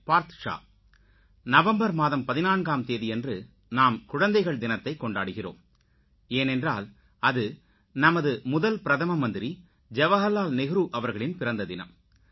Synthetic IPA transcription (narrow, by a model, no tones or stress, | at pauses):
paːɾt̪ɐ̥ʂa̰ː | nɐʋɐmbɐɾmaːðɐmpɐðɪnaːnɡaːmt̪eːðiɛndrɯ | naːmkʊɻɐnd̪ɐɪɣɐɭd̪ɪnɐt̪ːɐɪkːɔɳɖaːɽɯɣɪro̰ːm | eːnɛndraːl | ɐðɯ | nɐmɐðɯmʊðɐlpɪɾɐðɐmɐmɐnd̪ɪɾi | d͡ʒɛʋɐɣɐlːaːlnɪɣɪɾuːʔɐʋɐɾɣɐɭɪnpɪɾɐnd̪ɐðɪnɐ̰m